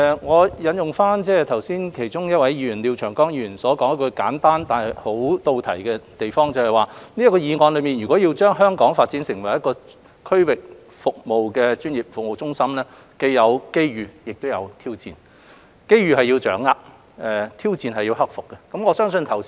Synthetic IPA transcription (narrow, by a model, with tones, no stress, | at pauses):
ɛ˧ŋɔː˨˧jɐ˨˥njʊ˨ŋfaː˥nt͡sɛː˥t̪ʰɐ˨˩wsiː˥nkʰe˨˩jt͡ʃʊ˥ŋjɐ˥t̚wɐ˨˥jjy˨˩nliː˨˧wt͡ʃʰœː˨˩ŋkɔː˥ŋji˧˨˩y˨˩nsɔː˨˥kɔː˨˥ŋɐ˥kɔ˧kaː˨˥nt̪aː˥nt̪aː˨nhɐ˨jho˨˥wt̪o˧wt̪ʰɐ˨˩jkɛ˧t̪e˨jfɔː˥ŋt͡sɐ˨whɐ˨jwaː˨niː˥jkɔː˧jiː˨˧ŋɔː˨˧nlɵ˨˧ɥmiː˨njyː˨˩kʷɔː˨˥ji˧wt͡ʃœː˥ŋɦœː˥ŋkɔː˨˥ŋfaː˧t̚t͡siː˨˥nsɪ˨˩ŋwɐ˨˩jɐ˥tkːɔː˧ | kʰɵ˥ɥwɪ˨k̚ | fʊ˨k̚mo˨wkɛː˧t͡ʃyː˥njiː˨˩p̚fʊ˨k̚mo˨wt͡sʊ˥ŋsɐ˥mlɛː˥ | ke˧jjɐ˨˧wke˥jɥyː˨jɪ˨k̚t̪o˥wjɐ˨˧wt̪ʰiː˥wt͡siː˨˧n | ke˥jɥyː˨˩hɐ˨jiː˧wt͡ʃœ̰ː˨˥ŋːaː˧k̚ | ʔɛː˨t̪ʰiː˥wt͡siː˧nɦɐ˨jːi˧wɦɐ˥k̚fʊ˨kːɛ˧kɐ˨˥mŋɔː˨˧sœː˥ŋsɵ˧nt̪ʰɐ˨˩w